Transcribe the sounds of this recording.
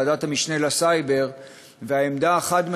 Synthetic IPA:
adathamiʃne̞lasajbe̞ʁ | veaemd̪aːχadme

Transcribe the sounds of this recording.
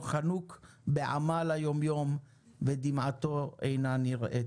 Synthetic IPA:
χanuk | beʕa̰malajo̞mjo̞m | ved̪imʕat̪o̞ejnaniʁʔe

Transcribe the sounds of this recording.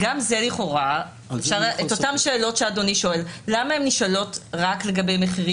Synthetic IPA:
ɡamze̞liχo̞ʁa | efʃaʁʔet̪ot̪amʃeːlo̞tʃeado̞niʃo̞e̞lːamaemniʃalo̞tʁakleɡɐbe̞jmeχiʁi

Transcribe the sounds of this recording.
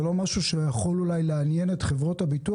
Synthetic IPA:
lo̞maʃuʃejaχo̞lulajleanje̞ne̞tχe̞vʁo̞thabitu

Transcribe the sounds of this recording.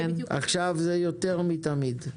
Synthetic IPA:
ʔa̰χʃavzejot̪eʁmit̪amid̪

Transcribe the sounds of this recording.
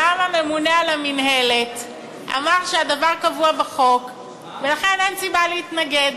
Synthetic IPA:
amame̞munealaminɦe̞let | ʔa̰maʁʃead̪avaʁkavuabeχo̞k | ve̞laχenensibaleit̪naɡe̞d̪

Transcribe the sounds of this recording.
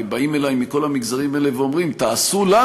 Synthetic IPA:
baime̞lajmːiko̞lhamiɡzaʁimaeleveo̞mʁimt̪aːsula

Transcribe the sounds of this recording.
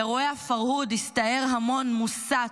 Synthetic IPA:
eʁoeafaʁhudist̪aeʁɦamo̞nmusa

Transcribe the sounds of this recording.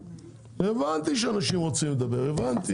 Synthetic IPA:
evant̪iʃeanaʃimʁot͡simled̪abe̞ʁevant̪i

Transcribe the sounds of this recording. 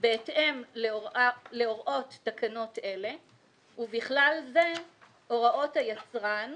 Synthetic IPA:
beːtʔem | leoʁʔo̞tːakano̞tʔe̞le̞ | uviχlalze̞ | oʁaʔo̞thajat͡sʁan

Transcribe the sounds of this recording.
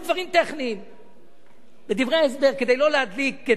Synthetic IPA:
d̪vaʁimt̪ɛχniːm | bed̪ivʁeaɛs̬beʁked̪ejlolead̪likːe

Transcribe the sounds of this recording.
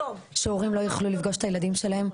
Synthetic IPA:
ʃeuʁimlo̞jaχlulifɡo̞ʃe̥t̪ajelad̪imʃe̞lahe̞m

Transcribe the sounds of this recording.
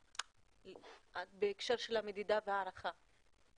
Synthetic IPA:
atbeːkʃeʁʃe̞lhame̞d̪id̪aveaːɾaχa

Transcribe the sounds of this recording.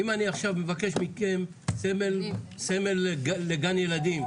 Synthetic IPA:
imaniaχʃavmevake̞ʃmikem | semelsemelɡaːeɡanje̞lad̪im

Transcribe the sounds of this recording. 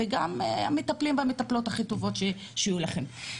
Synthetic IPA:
eɡamametaplimbamet̪aplo̞thaχito̞vo̞tʃe | ʃijulaχem

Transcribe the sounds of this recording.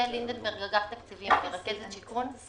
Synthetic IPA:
elind̪ed̪meʁɡaɡaħt̪akt͡sivimbeʁakezet̪ʃikun

